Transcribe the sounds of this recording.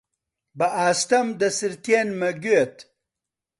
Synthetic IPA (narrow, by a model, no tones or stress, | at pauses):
bɐʔaːst̪ɐmd̪ɐsiɾt̪eːnmɐɡuet̪